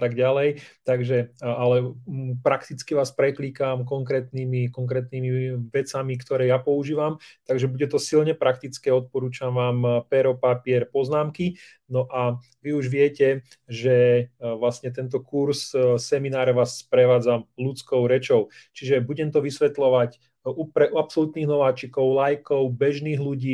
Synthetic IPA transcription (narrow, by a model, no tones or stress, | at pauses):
at̪aɡɟalɛjt̪aɡʒɛalɛpɾakt̪it͡skiʋaːspɾɛkliːkamkɔŋkɾɛːt̪niːmikɔŋkɾɛːt̪nimiʋɛt͡samikt̪ɔɾɛːjapɔuʒiːʋamt̪aɡʒɛbuɟɛt̪ɔsilɲɛpɾakt̪it͡skɛːɔt̪̚pɔɾuːt͡ʃamʋaːmpɛɾɔpapiɛɾpɔznaːmki | nɔʔa | ʋiuʒʋɪɛcɛ | ʒɛʋlasɲɛt̪ɛnt̪̬ɔkuɾsːɛminaːɾʋaːsːpɾɛʋaːd͡zamlut͡skɔʊɾɛt͡ʃɔʊt͡ʃiʒɛbuɟɛmt̪ɔʋisʋɛt̪lɔʋac | upɾɛʔuapsɔlut̪niːɣnɔʋaːt͡ʃikɔʊlajkɔʊbɛʒniːɣluɟiː